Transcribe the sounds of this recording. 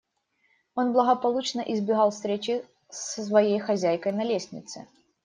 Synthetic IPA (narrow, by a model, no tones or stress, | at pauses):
o̞nblˠəɣəpɐlˠut͡ɕnəʔɪzbʲɪɣɑlˠfst̪ɾʲet͡ɕɪ | ssvɐjejxɐzʲæjkəjnɐlʲesʲnʲɪ̰t̪sɨ